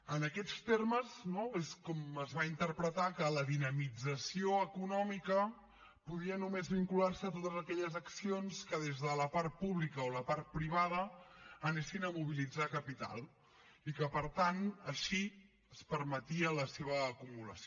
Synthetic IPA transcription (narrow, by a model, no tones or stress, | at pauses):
ənəkɛt͡st̪erməznoeskɔməzβaint̪əɾpɾət̪akələðinəmid͡zəsioəkunɔmikə | puðiənumezβiŋkularsət̪ot̪əzəkɛʎəzəksionskəðezðələpaɾt̪̚puβlikəoləpaɾt̪̚pɾiβ̞að̞əːnesinəmuβ̞ilid͡zakəpit̪a̰lˠ | ikəpəɾt̪anəʃi | əspəɾmət̪iələseβ̞əːkumulə̰s